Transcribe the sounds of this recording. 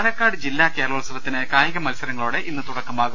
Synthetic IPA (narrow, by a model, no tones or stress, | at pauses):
lɐkːaːɽɨd͡ʑilːaːke̞ːɾɐɭʋɐɭɐsɐʋɐt̪ːinɨkaːjɐɣɐmɐlsɐɾɐŋːɐɭuːɽe̞ʔinːɨt̪uɽɐkːɐmaːɣu